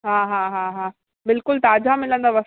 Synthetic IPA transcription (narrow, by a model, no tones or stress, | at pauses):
ɦãːɦãːɦãːɦãː | bɪlkʊlt̪aːd͡ʑamɪlə̃nd̪aːʋɐs